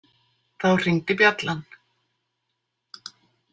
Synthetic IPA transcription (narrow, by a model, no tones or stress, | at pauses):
θawr̥iŋt̪ɪpjat̪lan